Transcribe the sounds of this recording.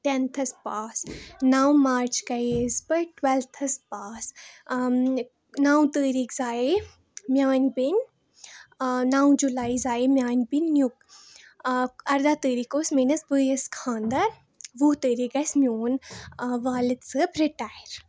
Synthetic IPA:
ʈent̪ʰɐspaːsnaːwmaːɾt͡ʃkɐeːzpɐʈwɛlt̪ʰɐspaːs | naːw̃t̪əːɾiːkzaːe | mjaːnʲbin | naːw̃d͡ʒulaːizaːimjaːnʲbinːjuk̚ | ɐɾd̪aːt̪əːɾiːkoːsmenɐsbəːjɐskʰãːnd̪ɐɾ | ʋut̪əːɾiːɡɐsmʲjoːnʋaːlid̪sɨpɾiʈaːjɾ

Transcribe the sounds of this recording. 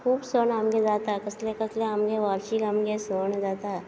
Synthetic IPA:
kʰuːbsoːnəmɡed͡ʒaːt̪akɐslekɐsleɐmɡeʋaːɾʃikɐmɡesoːnd͡ʒaːt̪a

